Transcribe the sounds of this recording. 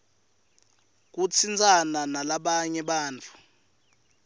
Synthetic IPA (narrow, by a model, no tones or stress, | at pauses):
k̬ut͡sʰind͡zʱʼananalaɓaɲɛɓaːnt͡fʰu̥